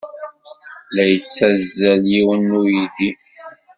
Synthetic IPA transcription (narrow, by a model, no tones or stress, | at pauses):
læjət͡sːæzːæljiwənːujiði